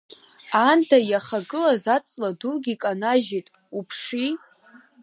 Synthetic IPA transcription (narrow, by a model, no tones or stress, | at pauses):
antʰajaχaɡɨlazat͡sʼladuɡʲikʼanaʒitʼ | upʰʂi